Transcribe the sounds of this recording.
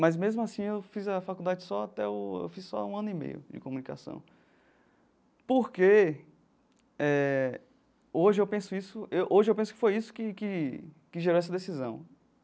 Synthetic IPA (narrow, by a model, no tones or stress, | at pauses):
mɐzmezmʊasĩewfizɐfakuwd̪ad͡ʒɪsɔat̪ɛʊḛwfizsɔ̰ũɐ̃nʊimḛjʊ̰d͡ʒɪ̰komũnika̰sɐ̰̃w̃ | poɾke | ɛ | oʒɪewpẽsʊisʊewʔoʒɪewpẽsʊkɪ̥fojisʊ̥kɪkɪ | kɪʒeɾoɛs̬ɐd̪esizɐ̰̃w̃